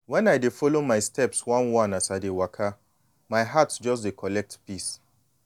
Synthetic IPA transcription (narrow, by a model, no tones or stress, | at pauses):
wɛ̃najdefɔlomaɪstʰɛpswãnwãnasaɪdewakʰa | maɪɦatsd͡ʒɔs̬dekʰɔlɛk̚tpis